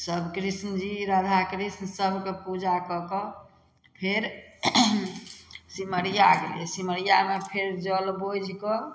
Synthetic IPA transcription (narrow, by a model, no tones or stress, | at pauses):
səbʱkɾisnəd͡ʒiɾad̪ʱakɾisnəsəbʱkepud͡ʒakɔkɔ | pʰeɾ | siməɽijaɡḛlḭɛsiməɽijamepʰeɾd͡ʒəlbod͡ʒʱkɔ